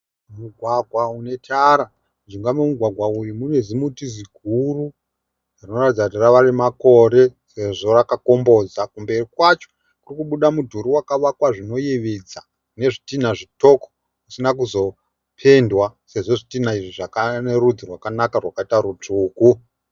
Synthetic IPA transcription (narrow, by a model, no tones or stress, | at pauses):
muɡʱwaɡʱwaune̞tʰaɾa | d͡ʒiŋɡamemuɡʱwaɡʱwaurimune̞zimutiziɡʱuru | arino̞ratid͡zakutiraʋarimako̞ɾe̞se̞ʐo̞rakako̞mbo̞d͡zakumbe̞rikwat͡ʃo | kurikuɓuɗamudʱuɾuwakaʋakwaʐino̞jeʋed͡za | ne̞ʐitin̤aʐito̞ko̥ | kusinak̬uzo̞ | pʰe̞ndwase̞ʐo̞ʐitin̤aiʐiʐakanerud̪ʱirwakanakarwakaitaɾut͡ʂuːku